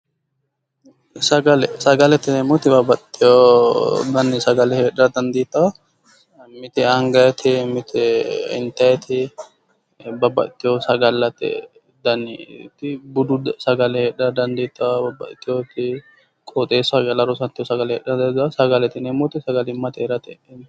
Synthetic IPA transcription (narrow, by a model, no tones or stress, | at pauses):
sɐɡɐlɛsɐɡɐlɛt̪ɪneːmɔt̪ɪbɐbɐt̪ʼːɪjo | d̪ɐnːɪsɐɡɐlɛheːɗɐɾɐd̪ɐnd̪iːt̪ːɐwɐ | mɪt̪ɪɐŋɡɐjɛt̪ʰɪmɪt̪ʰɪɪ̰nt̪ɐjɛt̪ʰɪ | bɐbɐ̰t̪ːɪjosɐɡɐlːɐt̪ɪ̰ | d̪ɐnɪ̰t̪ɪbʊd̪ʊsɐɡɐlɛheːᶑɐɾɐd̪ɐnd̪iːt̪ːɐwɐbɐbːɐ̰t̪ːɪjot̪ɪ | kʼɔt̪ʼeːsɐɡɐlɐɾɔsɐnt̪ːɪjɔsɐɡɐlɛhḛːɗɾɐd̪ɐd̪ɐsɐɡɐlɛt̪ɪneːmɔt̪ɪsɐɡɐlɪmːɐt̪eːɾɐt̪ɛn